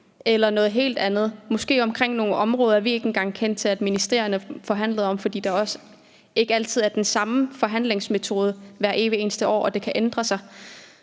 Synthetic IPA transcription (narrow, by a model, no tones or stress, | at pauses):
elɐnɔ̽ːð̩ˠɦe̝̰ːld̥ænð̞̩ˠmɒ̽sɡ̥e̝̰ːɒ̽mkʰʁeŋ̰no̝ːɒ̽mʁɔːð̞ˠɐæɐʋie̝ɡ̥e̝nɡ̥ɑ̈ŋ̰kʰen̰d̥̚t͡sʰe̝læd̥minisd̥e̝̰ɐ̰jɐnəfɒ̽ɦæn̰ləðˠɒ̽mfɒ̽d̥ḭːd̥ɑ̈ɒ̽s | e̝ɡ̥əæl̰t͡sʰiðˠæɐd̥ensɑ̈məfɒ̽ɦæn̰le̝ŋsmet͡sʰo̝ːð̞ˠəʋæɐ̰ʔe̝ːʋie̝ːnsd̥əɒ̰ːʔɒ̽d̥e̝kʰæʔend̥ʁɐsɑ̈ɪ